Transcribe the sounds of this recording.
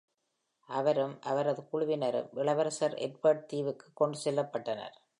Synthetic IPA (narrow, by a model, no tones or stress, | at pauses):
ʔɐʋɐɾɯmʔɐʋɐɾɐðɯkʊɻʊʋɪnɐɾɯ̰mʋɪɭɐʋɐɾɐsɐɾɛ̰ʈ̚bɐɖ̚t̪iːʋɯkːɯ̥kːɔɳɖɯsɛlːɐpːɐʈːɐnɐ̰ɾ